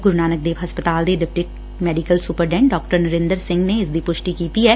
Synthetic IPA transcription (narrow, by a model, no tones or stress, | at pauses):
ɡʊɾnaːnək̚d̪eːʋɦɐspət̪aːld̪eɖɪp̚ʈɪk | mɛːɖikəlsʊpəɾɖɛ̃ːɳɖɔːk̚ʈəɾnɐɾɪ̃nd̪əɾsɪ̃ŋɡneɪsd̪ipʊʃʈikiːt̪iɦɛː